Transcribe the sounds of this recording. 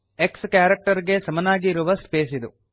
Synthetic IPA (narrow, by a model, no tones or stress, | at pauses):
e̞kskjaːɾɐk̚ʈɐɾɡe̞sɐmɐnaːɡiːɾuʋɐspeːsid̪u